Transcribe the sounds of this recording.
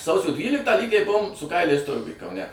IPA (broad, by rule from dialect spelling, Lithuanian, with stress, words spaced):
ˈsɐʊsʲoː ˈdʲʋʲiːlʲɪktɑː ˈlʲiːɡʲɛɪ ˈbʊʋoːm sʊ ˈkɐɪlʲɛɪs ˈtʊrɡʊj kɐʊˈnʲɛ